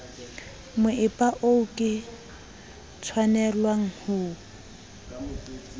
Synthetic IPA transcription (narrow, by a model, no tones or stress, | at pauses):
mʊʔɪpʼaʔoʊkʼɪ | t͡sʰwanɛlwaŋ̩hʊː